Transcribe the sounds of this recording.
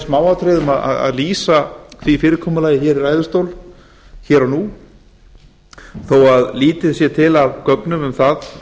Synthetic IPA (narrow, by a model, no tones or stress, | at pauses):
smaːwawt̪ʰɾeðʏmaða̰ða̰ðliːsaθvifɪːɾɪɾkʰɔːmʏlaːjɪçɛːɾiɾajðʏst̪owl | çɛːɾanu | θowaðliːt̪ɪsjɛt̪ʰɪlavkœknʏmʏmθað